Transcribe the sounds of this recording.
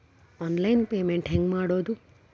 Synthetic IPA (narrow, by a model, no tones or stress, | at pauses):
ɔnlajinpemẽɳʈɦɛ̃ŋɡmaɽod̪ũ